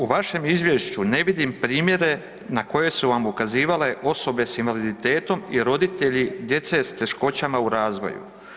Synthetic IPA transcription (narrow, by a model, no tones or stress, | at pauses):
uʋaʃe̞mizʋje̞ʃt͡ɕune̞ʋid̪impɾiːmje̞ɾe̞ | nako̞je̞suʋamukaziːʋale̞ʔo̞so̞be̞sinʋalid̪it̪e̞ːt̪o̞miɾo̞d̪it̪e̞ʎid̪je̞t̪se̞st̪e̞ʃko̞t͡ɕamauɾaːzʋo̞̰jṵ